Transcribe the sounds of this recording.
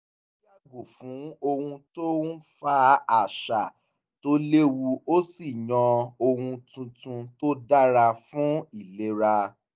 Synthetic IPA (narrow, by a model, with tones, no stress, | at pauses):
ja˦ɡu˨fũ˨˦o˧hũ˧to˦n̩˦fa˦a˨ʃa˨ | to˦le˦wu˧o˦si˦˨jɔ̃˧o˧hũ˧tũ˧tũ˧to˦da˦ɾa˧fũ˨˦i˦˨le˦ɾa˧